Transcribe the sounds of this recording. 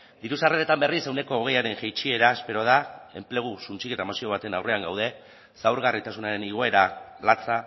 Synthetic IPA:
d̪iɾusareɾet̪ambe̞risewne̞ko̞ːɣ̞e̞jaɾe̞ŋʝejt͡ʃie̞ɾaespe̞ɾo̞ð̞ae̞mple̞ɣ̞usunt͡ʃike̞t̪amasio̞β̞at̪e̞nawre̞aŋɡa̰wð̞e̞ | sawɾɣarit̪asunaɾe̞niɣ̞o̞e̞ɾalat͡sa

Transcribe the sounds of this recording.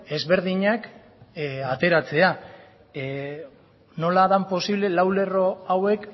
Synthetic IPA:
e̞zβe̞ɾðiɲak | at̪e̞ɾat͡se̞a | no̞laðampo̞siβle̞lawle̞ro̞awe̞k

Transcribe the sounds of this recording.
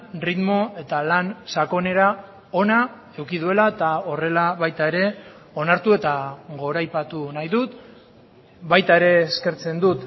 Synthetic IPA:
rit̪mo̞e̞t̪alansako̞ne̞ɾa | o̞na | e̞wkiðue̞laet̪ao̞re̞laβajt̪ae̞ɾe̞ | o̞naɾt̪ue̞t̪aɣo̞ɾajpat̪unajðut̪ | bajt̪ae̞ɾe̞ːske̞ɾt͡se̞nd̪ut̪

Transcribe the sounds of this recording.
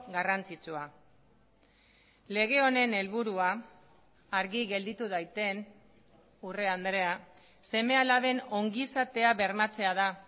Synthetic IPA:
ɣarant͡sit͡sua | le̞ɣ̞e̞o̞ne̞ne̞lβuɾuaː | ɾɣiɣe̞ld̪it̪uðajt̪e̞n | ure̞and̪ɾe̞a | se̞me̞alaβe̞no̞ŋɡisat̪e̞aβe̞ɾmat͡se̞að̞a

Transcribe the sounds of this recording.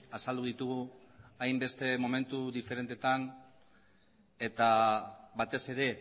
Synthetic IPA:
asald̪uðit̪uɣ̞u | ajmbe̞st̪e̞mome̞nt̪uðife̞ɾe̞nt̪e̞t̪an | e̞t̪aβat̪e̞se̞ɾe̞

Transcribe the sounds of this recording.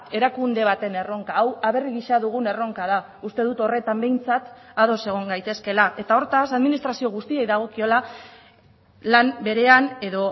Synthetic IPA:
e̞ɾakund̪e̞β̞at̪e̞ne̞ro̞ŋkaːwaβe̞riɣiʃaðuɣ̞une̞ro̞ŋkaða | ust̪e̞ð̞ut̪o̞re̞t̪ambe̞jnt͡sat̪að̞o̞se̞ɣ̞o̞ŋɡajt̪e̞ske̞laʔe̞t̪ao̞ɾt̪asaðminist̪ɾasio̞ɣust̪iejðaɣ̞o̞kio̞la | lambe̞ɾe̞ane̞ðo̞

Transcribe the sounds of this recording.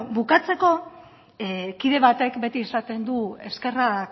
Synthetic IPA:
bukat͡se̞ko̞ | kiðe̞βat̪e̞kbe̞t̪iːsat̪e̞nd̪ue̞ske̞ra

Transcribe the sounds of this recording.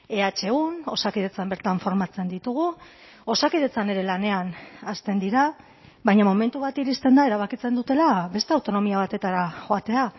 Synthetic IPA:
e̞at͡ʃe̞ɣuno̞sakið̞e̞t͡sambe̞ɾt̪aɱfo̞ɾmat͡se̞nd̪it̪uɣ̞u | o̞sakiðe̞t͡sane̞ɾe̞lane̞anast̪e̞nd̪iɾa | βajɲamo̞me̞nt̪uβat̪iɾist̪e̞nd̪ae̞ɾaβ̞akit͡se̞nd̪ut̪e̞laβe̞st̪e̞awt̪o̞no̞miaβ̞at̪e̞t̪aɾaʝo̞at̪e̞a

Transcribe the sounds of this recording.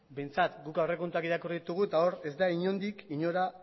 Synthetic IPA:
be̞jnt͡sat̪ɡukawre̞kont̪uakiɾakuriðit̪uɣ̞uet̪ao̞ɾe̞zd̪aiɲo̞nd̪ikiɲo̞ɾa

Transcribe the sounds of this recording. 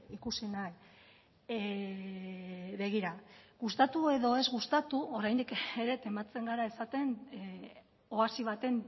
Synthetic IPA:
ikusinae | βe̞ɣ̞iɾaɣust̪at̪ue̞ðo̞e̞zɣust̪at̪uoɾajnd̪ikeɾe̞t̪e̞mat͡se̞ŋɡaɾae̞sat̪e̞n | o̞asiβ̞at̪e̞n

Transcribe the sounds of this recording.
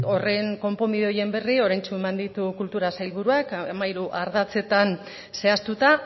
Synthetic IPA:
o̞re̞ŋko̞mpo̞miðeo̞je̞mbe̞rio̞ɾajnt͡ʃuemand̪it̪ukult̪uɾasajlβuɾuakamaiɾuʔaɾðat͡se̞t̪an | se̞ast̪ut̪a

